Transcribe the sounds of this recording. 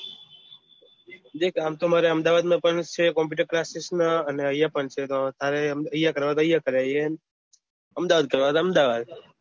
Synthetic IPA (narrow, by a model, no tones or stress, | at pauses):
d̪ekʰamt̪omaɾeəmd̪aʋad̪mãpəɳt͡ʃʰekɔmp̬juʈəɾklasisnaəneəjapəɳt͡ʃʰet̪ot̪ʰaɾeəjːakəɾʋat̪oəjːakəɾee | əmd̪aʋad̪̚kəɾʋat̪aəmd̪aʋad̪